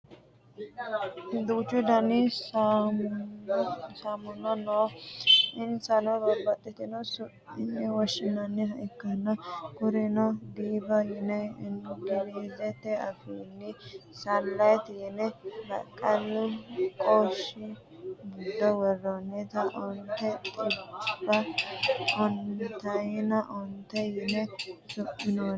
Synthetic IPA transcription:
d̪uːt͡ʃːʊd̪ɐnɪ | samʊnɔno | ɪnsɐnɔbɐɾbɐt̪ʼːɛt̪ɪnɔsʊ | ɪnːɛwɔʃːɪnɐnːɛɦɐʔɪkːɐnɐkʊɾɪnɔd̪iːbɐjɪnɛɪnɡɪdizɛt̪ːɛɐfiːnːɪsɐlːɐjt̪ɪjnɛɾɐ̰kʼːɐlʊkʼoʃɪ | ɡɪd̪ːɔwɛrːɔnːɛt̪ɐʔɔnt̪ːɛt̪ʼɪbɐ | ɔnt̪ɐjɪnɐʔɔnt̪ːɛjɪnɛsʊʔɪno

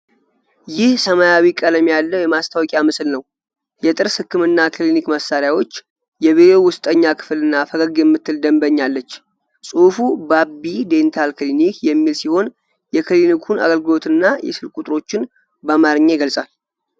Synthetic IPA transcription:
jɪhsəmajawikʼələmjalːəwjɛmast̪ʰawɔkʼjamɨslnəw | jɛt̪ʼɨɾshɨkʰːɨmɨnːakɨlinikməsːaɾjawo̞t͡ʃː | jɛβiɾowʊst̪ʼəɲːakʰɨ̥flɨnːafəɡəɡjɛmːɨt̪ʰːɨld̪əmbəɲːalːət͡ʃː | sʼufubabid̪e̞nt̪ʰalkɨlinikjɛmːilsiho̞n | jɛkʰɨlinikʰuna̰ɡəlɡɨlo̞t̪ɨnːajɛ̰sɨlkʼut̪ʼɾo̞t͡ʃːɪn | bəmaɾɲːeɡəlsʼal

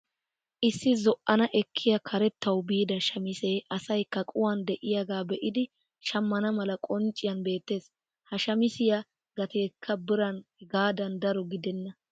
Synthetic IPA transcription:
ʔɪsːɪzɔʔɐnɐʔɛkʰːɪjɐkʰɐɾɛt̪ːɐwbiːd̪ɐʃɐmɪseːʔɐsɐjkːɐkʼʊwand̪ɛʔɪjaɡaːbɛʔɪd̪ɪ | ʃɐmːɐnɐmɐlɐkʼɔnt͡ʃʼːɪjɐnbe̞ːt̪ːe̞ːs | hɐʃɐmɪsɪjɐ | ɡɐt̪eːkʰːɐbɪɾɐnɡaːd̪ɐnd̪ɐɾɔɡɪd̪ɛnːɐ

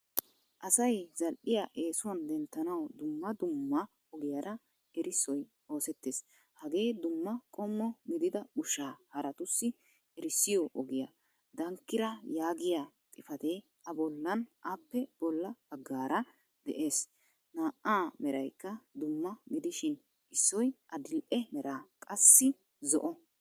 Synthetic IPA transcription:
ʔɐsɐjzɐlʔɪjaːʔe̞ːsʊwɐnd̪ɛnt̪ːɐnɐwd̪ʊmːɐd̪ʊmːɐ | ɔɡɪjɐɾɐ | ɛɾɪsɔj | o̞ːsɛt̪ːeːs | hɐɡe̞ːd̪ʊmːɐkʼɔmːɔmɪd̪ɪd̪ɐʊʃaːhɐɾɐt̪ʊsːɪ | ɛɾɪsːɪjɔʔɔɡɪja | d̪ɐŋkːɪɾɐjaːɡɪja | t̪ʼɪfɐt̪eː | ɐbɔlːɐnʔaːpːɛb̥ɔlːɐb̥ɐɡːaːɾɐ | d̪ɛ̰ʔe̞ːs | naːʔaːmɛɾɐjkːɐd̪ʊmːɐɡɪd̪ɪʃɪn | ʔɪsːɔjʔɐd̪ɪlʔɛmɛɾaːkʼɐsːɪ | zɔ̰ʔɔ

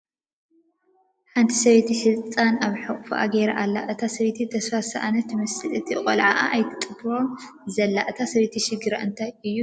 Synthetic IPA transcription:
ħant̪ʰisɐβet̪ʰiħɨzt͡sʼanaβħɨχʼfuʔa̰ɡeɾaʔalːa̰ʔɨt̪ʰasɐβet̪ʰit̪ʰɐsfasaʔanɐt̪ːmɐsɨlɨt̪ʰiqʼolʕaʔa̰ʔːjt̪ʰɨ̥t̪ʼɨbɾo̞m | zɐlːaʔɨt̪ʰasɐβet̪ʰiʃɪɡɨɾa̰ʔɨnt̪ʰajɨjːu

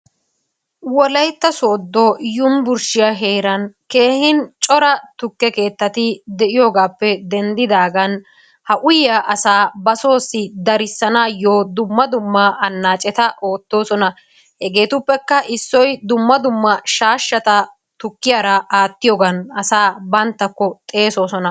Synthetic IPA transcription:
wɔlɐjt̪ːɐsoːd̪ːojʊmbʊɾʃɪjɐɦe̞ːɾɐnke̞ːhɪnt͡ʃʼɔɾɐt̪ʊkːɛke̞ːt̪ːɐt̪ɪd̪ɛʔɪjo̞ːɡaːpːɛd̪ɛnd̪ɪd̪aːɡɐn | hɐʔʊjɐʔɐsaːbɐso̞ːsːɪd̪ɐɾɪsːɐnaːjoːd̪ʊmːɐd̪ʊmːɐʔɐnːaːt͡ʃʼɛt̪ɐʔo̞ːt̪ːo̞ːsɔnɐ | hɛɡe̞ːt̪ʊpːɛkːɐʔɪsːɔjd̪ʊmːɐd̪ʊmːɐʃaːʃːɐt̪ɐ | t̪ʊkːɪjaːɾɐʔaːt̪ːɪjoːɡɐnɐsaːbɐnt̪ːɐkːɔt̪ʼe̞ːso̞ːsɔnɐ

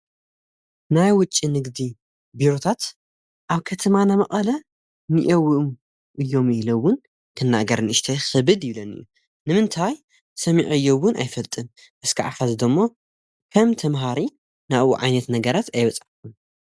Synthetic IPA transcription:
najwʊt͡ʃʼːinɨɡd̪i | biɾo̞t̪ʰat̪ | ʔaβkʰɐt̪ʰɐmanamɐχʼɐlɐ | niʔɐwm | ʔɨjːo̞mɪhlowːʊn | kʰɨnːaɡɐɾnɨʃt̪ʰɐjxɨβɨd̪jɪβlɐnɨ̰jːu | nɨmɨnt̪ʰaj | sɐmiʕɨjːowːʊna̰jfɐlt̪ʼɨn | ʔɨskʰɨʕa̰fazd̪ɐmːo̞ | kʰɐmt̪ʰɐmɦaɾi | nawuʕajnɐt̪nɐɡɐɾat̪ʰajβɐt͡sʼaħkun

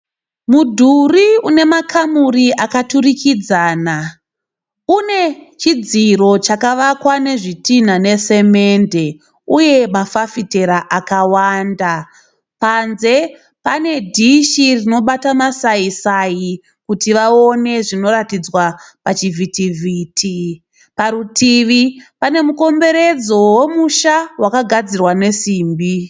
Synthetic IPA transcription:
mudʱuriune̞makʰamuriʔakaturikid͡zaːna | une̞t͡ʃid͡ziro̞t͡ʃakaʋakwane̞ʐitin̤ane̞se̞me̞nde̞ | uje̞mafafite̞ɾaʔakawanda | panze̞ | pane̞dʱiʃirino̞ɓatamasaisaji | kutiʋao̞ne̞ʐino̞ɾatid͡zwapat͡ʃivʱitivʱiːtʰi | paɾutiʋipane̞muko̞mbe̞ɾe̞d͡zo̞we̞muʃawakaɡʱad͡zirwane̞siːmbi

